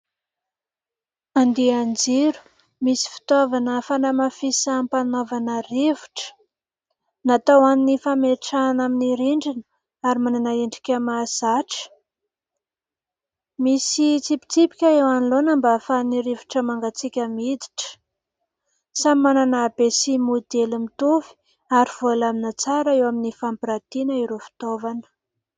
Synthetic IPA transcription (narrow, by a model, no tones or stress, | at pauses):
and̪iand͡zeɾu̥ | misi̥fi̥t̪ovanəfanamafisampanovanərevu̥ʈ͡ʂə̥ | nat̪awaninifameʈ͡ʂanaminiɾiɳɖ͡ʐinə | aɾimananaeɳɖ͡ʐi̥kʲəmazaʈ͡ʂə̥ | misit͡sipi̥t͡sipi̥kʲaewanilonəmbafaniɾivu̥ʈ͡ʂəmaŋɡat͡sikʲamid̪i̥ʈ͡ʂə̥ | samimananaːbesimud̪elimit̪uvi̥ | aɾiv̥olaminat͡saɾaewaminifampiɾat̪inaiɾofi̥t̪ovanə̥